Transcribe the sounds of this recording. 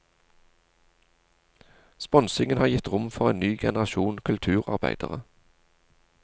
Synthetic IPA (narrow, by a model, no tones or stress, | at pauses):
spɔnsɪŋənhɑːjɪt̪ʁʊmfɔʁeːnyːɡɛnəʁɑʃuːnkʰʉlt̪ʰʉːʁɑ̰ʁbæ̰ɪd̪̥ə̰ʁə